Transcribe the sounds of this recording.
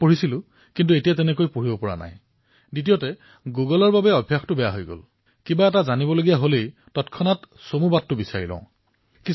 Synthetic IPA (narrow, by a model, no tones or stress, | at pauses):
poɹisilʊ̃ | kint̬uetijatɛnɛkojpoɹibɔpɔɹa̰na̰j | ditijɔtɛ | ɡuɡɔlɔɹbabɛɔbʱjaxtʊbɛja̰ɦojɡo̰l | kibaɛtazanibɔloɡijaɦolejtɔtkʰɔnat | somubat̚ːʊbisa̰ɹilɔ̰̃ʊ̃ | ki